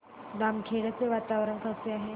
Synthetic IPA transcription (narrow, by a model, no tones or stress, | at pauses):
d̪amkʰeɽət͡seʋat̪aʋɾəɳkʰaseaɦe